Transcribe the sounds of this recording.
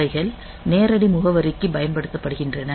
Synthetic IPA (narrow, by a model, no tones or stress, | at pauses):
ɐɪɣɐɭ | neːɾɐɽimʊɣɐʋɐɾɪkːɯbɐjɐnpɐɽɯt̪ːɐpːɐɽɯɣɪndrɐnɐ